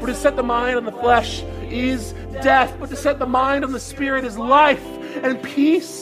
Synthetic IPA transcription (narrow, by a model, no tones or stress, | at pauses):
fə˞tʰɨsɛt̪̚ðəmãɪ̃ndn̩ðəflɛʃ | ɪz | dɛθb̥ʌtʰɨsɛt̪̚ðəmãɪ̃ndn̩ðəspɪɹɨɾɨzlaɪf | ɨ̃npʰis